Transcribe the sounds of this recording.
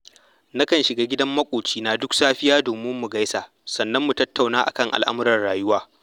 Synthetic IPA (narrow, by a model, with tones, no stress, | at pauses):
na˦kɐ˨nʃɪ˨ɡaː˦ɡʲɪ˦dɐ˦mːɐ˦kʷʼoː˨t͡ʃiː˦naː˨dʊ˦ksaː˦ɸɪ˦jaː˦doː˨mɪ˦mːu˨ɡa˦jsa˨ʔ | sɐ˨nːɐ˦mːu˨tɐ˦tʰːa˨wnaː˦ʔa̰˨kɐ˦ŋʔa̰˨lʔa̰˦mʊ˦ɾɐ˨rɽaː˨jʊ˦waː˦